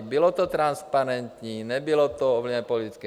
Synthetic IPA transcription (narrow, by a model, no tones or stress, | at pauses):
bilɔt̪ɔt̪ɾanspaɾɛnt̪ɲinɛbilɔt̪ɔɔʋlɲɛpɔliitskɛ